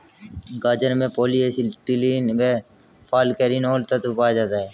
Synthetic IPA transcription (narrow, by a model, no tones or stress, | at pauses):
ɡaːd͡ʒəɾmẽːpoːliːesiʈiliːnmeː | pʰaːlkeɾiːnoːlt̪ət̪ʊpaːjd͡ʒaːt̪aːɦɛː